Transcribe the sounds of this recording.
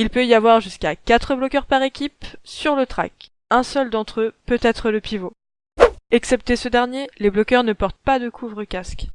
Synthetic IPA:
ilpøijavwaʁʒyskakat̪χəblɔkʲœʁpaʁekʲipsyʁlət̪χa̰k | ɛ̃sœld̪ɑ̃t̪χəpøt̪ɛt̪χələpivo | ɛksɛp̚t̪esəd̪ɛʁnjeleblɔkʲœʁnəpɔʁt̪̚pad̪əkʰuvʁəkask

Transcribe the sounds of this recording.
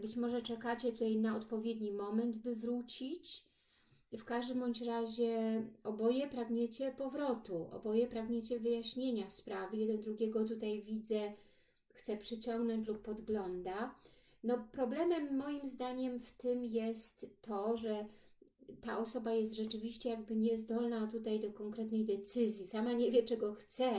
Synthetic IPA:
bɘt͡ɕmɔʐɛt͡ʂɛkat͡ɕɛt̪ut̪ajnaɔt̪pɔvʲjed̪ɲimɔmɛnd̪bɘvɾut͡ɕit͡ɕ | fkaʐd̪ɘmɔɲt͡ɕɾaʑɛɔbɔjɛpɾaɡɲet͡ɕɛpɔvɾɔt̪uʔɔ̰bɔjɛpɾaɡɲet͡ɕɛvɘjaɕɲeɲaspɾavɘjɛd̪ɛnd̪ɾuɡʲɛɡɔt̪̬ut̪ajvʲid̪zɛ | xt̪sɛpʂɘt͡ɕɔŋɡnɔɲt͡ɕlupːɔd̪ɡlɔnd̪a | nɔpɾɔblɛmɛmːɔjimzd̪aɲɛmft̪ɘmjɛst̪ːɔʐɛ | t̪aʔɔsɔbajɛst̪ʐɛt͡ʂɘvʲiɕt͡ɕɛjaɡbɘɲɛzd̪ɔlnat̪ut̪ajd̪ɔkɔŋkɾɛt̪nɛjd̪ɛt̪sɘzʲjisamaɲevʲjɛt͡ʂɛɡɔxt̪sɛ

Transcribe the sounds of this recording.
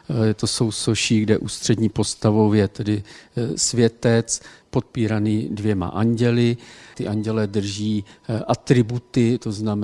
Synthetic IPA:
jɛt̪o̞so̞wso̞ʃiːɡdɛʔuːst̪r̝̥ɛdɲiːpo̞st̪avovjɛt̪ɛdɪsvjɛt̪ɛt͡spo̞t̪̚piːɾaniːdvjɛma̰ʔaɲɟɛlɪt̪ɪʔaɲɟɛlɛd̪r̩ʒiːʔat̪ɾɪbut̪ɪt̪o̞znam

